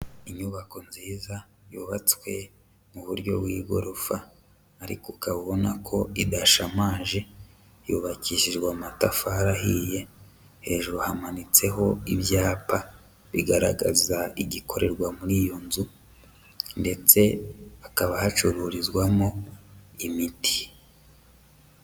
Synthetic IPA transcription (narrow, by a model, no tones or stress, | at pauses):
iɲuβako̞nziːza | juːβat͡swe̞ | muβuɾɟo̞̰bwiːɡo̞̰ɾofaː | ɾḭkukaβuβo̞nakʰo̞idaʃamaːʒe̞ | juβaciʃiʒɡwaːmatafaɾaɦije̞ | he̞ːʒuɾuhamanit͡se̞ɦo̞ibjaːpa | βiɡaɾa̰ɡazaiɟiko̞ɾe̞ɾɡwamuɾiːjo̞nzu | nde̞t͡se̞akaβahat͡ʃuɾuːɾizɡwamoimiti̥